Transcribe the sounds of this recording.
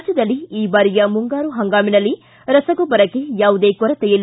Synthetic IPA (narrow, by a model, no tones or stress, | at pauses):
sɐd̪ɐlːiiːbaːɾijɐmuŋɡaːɾuɦɐŋɡaːminɐlːi | ɾɐsɐɡubɐɾɐkːejaːʋud̪eːkɔɾɐt̪ɛjɐli